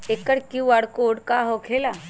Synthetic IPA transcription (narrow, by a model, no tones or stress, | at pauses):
ekːəɾkiʋaɽkoɽkaɦokʰela